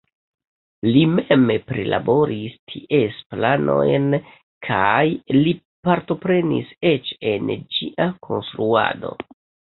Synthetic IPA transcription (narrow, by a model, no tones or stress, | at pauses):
limempɾila̰bo̞ɾistʰiʔesplanʔo̞̰jn | kʰajli | paɾto̞pɾe̞nḭset͡ʃe̞nd͡ʒiʔakʰo̞̰nst̪ɾua̰do̞̰